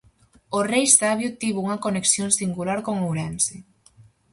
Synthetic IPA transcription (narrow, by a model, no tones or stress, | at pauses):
orejst̪aβjut̪ːiβuŋakoneksjonsiŋɡulaɾkoŋowɾɛnse